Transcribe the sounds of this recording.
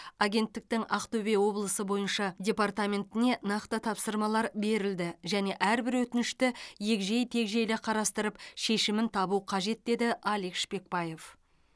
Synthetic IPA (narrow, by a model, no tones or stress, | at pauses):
ɑɡʲe̞nt̪ːɪk̚t̪ɪŋɑqt̪ʰɵbe̞wo̞blˠəsəbo̞jənʃɑdʲe̞part̪amʲe̞nt̪ɪne̞nɑqt̪ət̪ʰɑpsəɾmɑlˠɑɾbe̞ɾɪld̪ɪʒæne̞ʔæɾbɪɾwɵt̪ɪnɪʃt̪ɪje̞kʒejt̪ʰe̞kʒe̞jlɪqʰɑɾɑst̪əɾəpʃe̞ʃɪmɪnt̪ʰɑbuqʰɑʒe̞t̪̚d̪e̞d̪ɪʔɑlekʃpe̞k̚bɑje̞f